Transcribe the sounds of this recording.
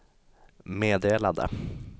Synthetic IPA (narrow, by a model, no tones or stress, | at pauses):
meːd̪eːlad̪ə̰